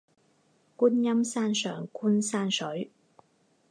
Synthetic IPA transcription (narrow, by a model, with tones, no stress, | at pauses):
kuː˥njɐ˥msaː˥nsœː˨˩ŋkʰuː˥nsaː˥nsɵ˨˥ɥ